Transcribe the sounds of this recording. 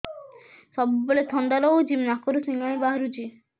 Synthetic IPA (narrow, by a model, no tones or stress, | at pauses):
sɔbuboɭet̪ʰɔnd̪aɾɔod͡ʒimnakɔɾusiŋɡaɽ̃ibaɦaɾut͡ʃʰi